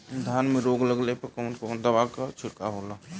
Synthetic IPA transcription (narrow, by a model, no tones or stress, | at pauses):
d̪ʱjaːnmẽɾoːɡləɡlepekɔːnkɔːnd̪əʋaːkat͡ʃʰɪɽkaɦoːlaː